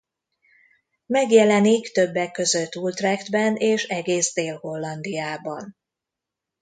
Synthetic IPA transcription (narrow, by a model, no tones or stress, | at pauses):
mɛɡjɛlɛnikt̪ø̞bːɛkːø̞zøt̪ːult̪rɛɡt̪bɛneːʃɛɡeːzd̪eːlho̞lːɒnd̪ijaːbɒn